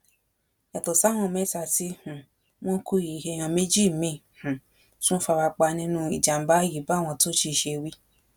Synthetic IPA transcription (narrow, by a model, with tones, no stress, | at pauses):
ja˨to˨sa˨˦w̃ɔ̃˦˨mɛ˦˨ta˧ti˦hũ˨ | w̃ɔ̃˦ku˦˨ji˨he˧˨j̃ã˧me˦d͡ʒi˦˨mĩ˦˨hũ˨ | sũ˦fa˧ɾa˧k͡pa˧nĩ˦nũ˦i˨d͡ʒa˨m̩˨ba˨˦ji˨˦ba˦˨w̃ɔ̃˧to˦ʃi˧˦˨ʃe˧wi˦